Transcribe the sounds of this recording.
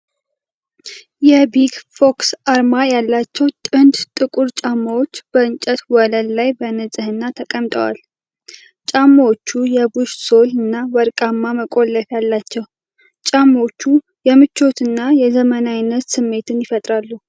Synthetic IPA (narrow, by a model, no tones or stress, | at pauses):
jɛbiɡfo̞ksaɾmajalːat͡ʃːɛwt̪ʼɨnd̪t̪ʼɨkʼuɾt͡ʃʼamːəwot͡ʃːb̥əɨnt͡ʃʼət̪wɔləllajbənɨzʼɨhɨnːat̪ʰəkʼəmt̪ʼəwa̰l | t͡ʃʼamːawot͡ʃːujɛbuʃso̞lɨnːawəɾkʼamːaməkʼo̞lːəfjalːat͡ʃːɛw | t͡ʃʼamːot͡ʃːu | jɛmɨt͡ʃːo̞t̪ɨnːajɛzəmənajnːət̪sɨmːe̞t̪ʰɨnjɪfət̪ʼɾalːu